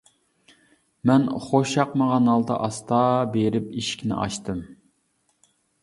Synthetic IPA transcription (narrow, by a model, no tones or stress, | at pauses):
mɛnχoʃɑqməʁɑnɑlˠd̪ɑ̰ʔɑst̪ɑbeɾɪpiʃkʲʰinɪ̰ʔɑ̰ʃt̪ɨm